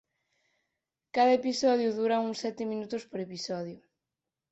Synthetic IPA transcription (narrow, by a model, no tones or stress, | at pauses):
kaðɐepisɔð̞jʊðuɾɐuŋsɛt̪ɪmĩnut̪ʊspoɾepisɔðjʊ